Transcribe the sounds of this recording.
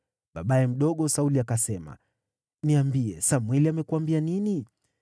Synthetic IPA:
ɓaɓaɛm̩ɗɔɠɔsauliakasɛma̰ | niambiɛsamwɛliamɛkuambianini

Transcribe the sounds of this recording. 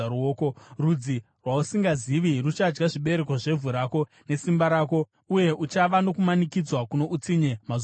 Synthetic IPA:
ɾuoːko̞rud͡zi | rwausiŋɡaziʋirut͡ʃad͡ʒɡaʐiɓe̞ɾe̞koʐe̞vʱuɾako̞ | ne̞simbaɾaːko̞ | uje̞ʔut͡ʃaʋano̞kumanikid͡zwakuno̞ʔut͡siɲe̞ma

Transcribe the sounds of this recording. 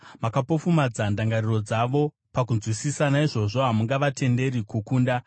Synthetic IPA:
makapo̞fumad͡zandaŋɡariro̞d͡zaʋo̞ | pakunzwisisanaiʐo̞ʐo̞ɦamuŋɡaʋatʰe̞nde̞ɾikukuːnda

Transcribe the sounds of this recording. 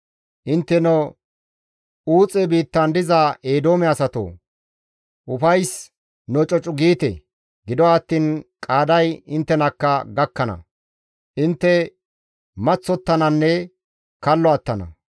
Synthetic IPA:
ʔɪnt̪ːɛnɔ | uːt͡sʼɛbiːt̪ːɐnd̪ɪzaʔeːd̪oːmɛɐsɐt̪o̰ː | ʔʊfɐjs | nɔt͡ʃʼɔt͡ʃʼʊɡiːt̪ɛ̰ | ɡɪd̪ɔwat̪ːiːnkʼaːd̪ɐjɪnt̪ːɛnɐkːɐɡɐkːɐnɐ̰ | ʔɪnt̪ːɛ | mɐt͡sːɔt̪ːɐnɐnːɛ | kɐlːɔɐt̪ːɐnɐ̰

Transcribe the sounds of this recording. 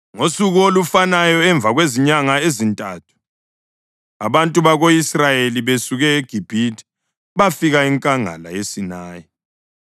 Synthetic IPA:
ŋosuɣuolufanajɔɛɱb̪vʱaɣweziɲaŋaezintʼaːtʰu̥ | aβantʼuβaɣoisrajeliβesuɣɛːɡ̥ʱib̥ʱitʰʼi̥ | βafiɣaiŋkʼaŋa̰la̰jesinaːjɔ

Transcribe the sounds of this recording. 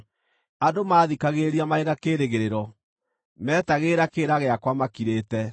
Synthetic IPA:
adomaːðikaɣeɾiamaeɣakeːɾeɣeɾeɾɔ | mɛːtaɣeːɾakeːɾaɣeakwamakiɾeːtɛ

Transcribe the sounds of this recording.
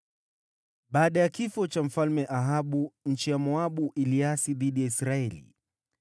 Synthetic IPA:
ɓaːɗajakifɔt͡ʃam̩falmɛʔaɦaɓuɲ̩t͡ʃijamɔaɓuʔiliasiðiɗijaisɾaɛlḭ

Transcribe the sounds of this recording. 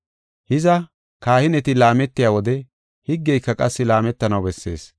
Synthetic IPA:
hɪzɐ | kaːhɪnɛt̪ɪlaːmɛt̪ːɪjaːwɔd̪ɛ | hɪɡːɛjkːɐkʼɐsːɪlaːmɛt̪ːɐnɐwbɛsːe̞̰ːs

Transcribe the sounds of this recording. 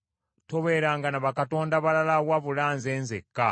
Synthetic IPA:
to̞βe̞ɾaːŋɡanaβakato̞ːndaβalalawaβulaːnze̞ːnzekːa

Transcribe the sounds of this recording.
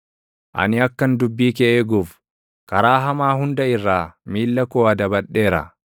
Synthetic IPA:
ʔɐ̰nɪɐkːɐnd̪ʊbːiːkɛʔeːɡʊf | kɐɾaːɦɐmaːɦʊnd̪ɐɪrːaːmiːlːɐkoːɐd̪ɐbɐɗːe̞ːɾɐ̰

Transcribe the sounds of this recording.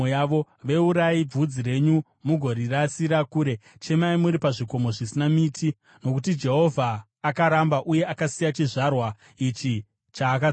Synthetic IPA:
ojaʋo̞ | ʋe̞uɾaib͡vud͡ziɾe̞ɲu | muɡʱo̞ɾirasiɾakuːɾe̞t͡ʃe̞maimuɾipaʐiko̞mo̞ʐisinamiːtʰi | no̞kutid͡ʒe̞ɦo̞vʱaː | kaɾambaʔuje̞ʔakasijat͡ʃiʐarwa | it͡ʃi | t͡ʃaːka

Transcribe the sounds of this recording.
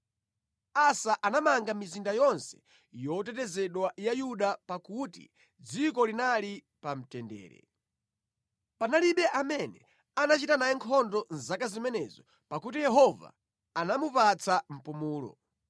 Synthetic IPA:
asaʔanamaŋɡamizindajɔnsɛ̥ | jɔtɛtɛzɛɗwajajuɗapakutḭ | d͡zikɔlinali | pam̩tɛndɛ̰ːɾɛ̰ | panaliɓɛʔamɛnɛ | anat͡ʃitanajɛŋkʰɔndɔnzakazimɛnɛzɔ | pakutijɛɦɔva̰ | anamupat͡sʰam̩pumuːlɔ̰

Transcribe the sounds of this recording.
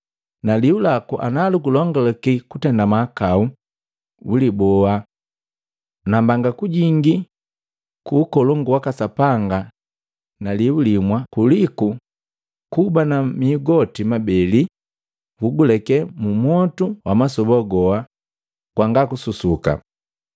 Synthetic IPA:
naliulakuʔa̰nalukulɔŋɡɔlakikutɛndamaːkau | ulibɔa | nambaŋɡakuɟiŋɡi | kuːkɔlɔŋɡuwakasapaŋɡa | naliulimwakuliku | kubanamiːɡɔtimabɛli | ɡuɡulɛkɛmumwɔtuwʔamasɔbɔɡɔa | kwaŋɡakususuka̰

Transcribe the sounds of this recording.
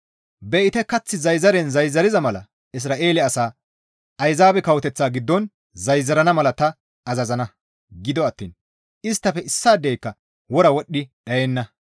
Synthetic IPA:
bɛʔɪt̪ɛkɐt͡sːɪzɐjzɐɾɛnzɐjzːɐɾɪzɐmɐlɐ̰ | ɪs̬ɾaːʔe̞ːlɪɐsaː | ɐjzaːbɛkɐwɔt̪ɛt͡sːaːɡɪd̪ːɔn | zɐjzːɐɾɐnɐmɐlɐt̪ɐ | ɐzɐzɐnɐ | ɡɪd̪ɔɐt̪ːḭːn | ʔɪst̪ːɐfɛʔɪsːaːd̪ɛjkːɐ | wɔɾɐwɔɗːɪɗɐjɛnːɐ

